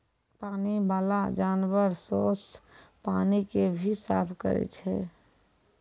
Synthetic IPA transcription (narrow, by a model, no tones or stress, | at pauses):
paːnibaːlad͡ʒaːnwəɾsoːspaːnikebʱisa̰ːpʰkə̰ɾɛ̰t͡ʃʰɛ